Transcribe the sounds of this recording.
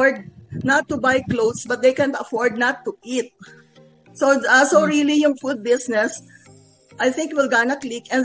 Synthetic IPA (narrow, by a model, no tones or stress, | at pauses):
ɹd̪̚nɐt̪ːʊbajklowd̪sbɐt̪̚d̪ejkɛ̃nt̪ɐfɔɹd̪̚nɐt̪ːuʔit̪̚ | soɐsoɹilijʊŋfud̪̚bɪsnɛs | ʔajθɪ̃ŋkwɪlɡanɐklikʔɛ̃n